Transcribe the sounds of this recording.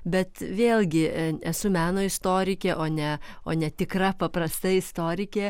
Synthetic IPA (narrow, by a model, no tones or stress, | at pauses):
bʲɛt̪ʋʲeːlʲˠɡʲɪɛsʊmʲæːnoːɪst̪oːɾʲɪkʲeːʔoːnʲɛoːnʲɛt̪ʲɪkrɐpɐpɾɐst̪ɐɪɪst̪oːɾʲɪkʲeː